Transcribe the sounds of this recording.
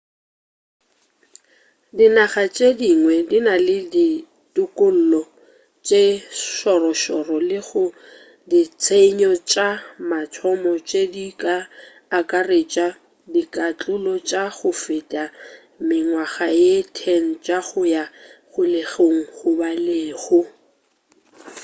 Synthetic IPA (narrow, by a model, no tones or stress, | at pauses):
dinaχat͡ʃʼediŋwɛdinalɪdi | tʼʊkʼʊl̩lɔ | t͡ʃʼeʃɔrɔʃɔrɔlɪɣʊ | dit͡sʰeɲɔt͡ʃʼamat͡sʰɔmɔt͡ʃʼedikʼaː | kʼaret͡ʃʼa | dikʼat͡ɬʼʊlɔt͡ʃʼaɣʊfɪtʼa | mɪŋwaɣajetʰɛŋ̩t͡ʃʼaɣʊjaχʊleɣoŋ̩χʊbaleːɣʊ